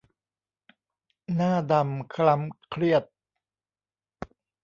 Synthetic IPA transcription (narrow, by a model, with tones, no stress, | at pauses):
naː˥˩da˧mkʰla˦˥mkʰɾi˥˩ət̪̚